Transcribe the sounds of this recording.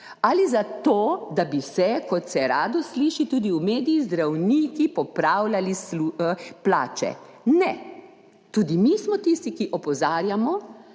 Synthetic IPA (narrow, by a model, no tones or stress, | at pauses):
alizat̪oːd̪abisɛkɔt̪sɛɾaːd̪ɔsliːʃit̪uːd̪iumeːd̪ijːzd̪ɾawnikipɔpɾawlalislupla̰ːt͡ʃɛ̰ | nɛ | t̪uːd̪imismɔt̪ist̪ikiʔɔpɔzaːɾjamɔ